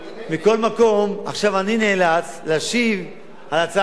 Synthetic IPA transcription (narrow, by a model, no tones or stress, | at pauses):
miko̞lmako̞ma̰χʃavanineːlat͡s | laʃiv | alat͡sa